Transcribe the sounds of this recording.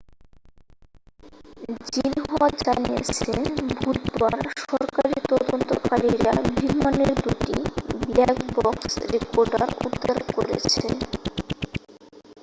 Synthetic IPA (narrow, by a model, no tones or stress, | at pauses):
d͡ʑinɦɔad͡ʑaniḛt͡ɕʰebʱut̪baɾʃɔɾkaɾiit̪ɔd̪ont̪okaɾiɾabʱɾimaneɾd̪uʈiblɛkbɔksɾekoɾɖa̰ɾṵd̪ʱaɾkoɾḛt͡ɕʰe